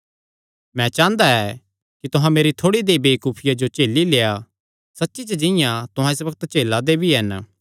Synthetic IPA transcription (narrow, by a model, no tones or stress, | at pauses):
mɛ̃t͡ʃãːnd̪aɛ | kit̪ʊɦãmeːɾit̪ʰoːɽid̪eːbeːikuːpʰɪjad͡ʒot͡ʃeːlːileːa | sɐtːʃit͡ʃəd͡ʒɪ̃jãt̪ʊɦãɪs̬bɐkət̪t͡ʃeːlad̪ebʱiɦɛn